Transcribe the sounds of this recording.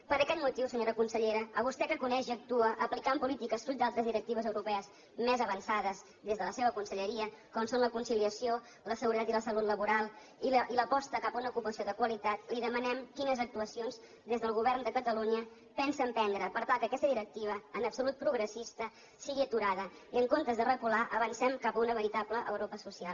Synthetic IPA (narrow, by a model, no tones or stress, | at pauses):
pəɾəkɛt̪mut̪iwsəɲoɾəkunsəʎeɾəəβ̞ust̪ɛkəkunɛʒiək̚t̪uəʔəplikampulit̪ikəsfuʎ̚d̪alˠt̪ɾəzðiɾək̚t̪iβəzəwɾupɛəz | mezəβənsaðəz | d̪ezðələseβ̞əkunsəʎəɾiəkɔnsonləkunsiliəsio | ləsəɣuɾət̪at̪iləsəlut̪ləβuɾalˠ | iiləpɔst̪əkapəunəukupəsioðəkwəlit̪at̪liðəmənɛmkinəzək̚t̪uəsionz | d̪ezðəlˠɣuβ̞ɛrnd̪əkət̪əluɲə | pɛnsəmpɛnd̪ɾəpəɾt̪alˠkəːkɛst̪əðiɾək̚t̪iβ̞əːnəpsulut̪̚pɾuɣɾəsist̪ə | siɣiət̪uɾaðəiəŋkont̪əzðərəkulaʔəβənsɛmkapəunəβəɾit̪abləʔə̰wɾopəsusialˠ